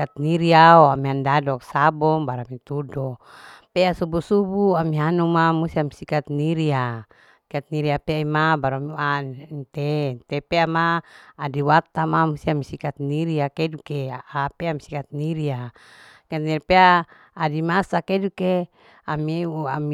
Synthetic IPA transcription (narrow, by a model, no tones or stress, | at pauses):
at̪̚niɾiaoamiandadɔksabɔŋbaɾamit̪udɔpeasubusubuamiɦanumamust̪iamisikat̪̚niɾia | sikat̪̚niɾiapeimabaɾuamiuant̪ent̪epeamaːdiwat̪ːamamust̪iamisikat̪̚niɾiakedukeapeamisi̥kat̪̚niɾia | at̪̚niɾipeaː | dimasakeduke | ameuami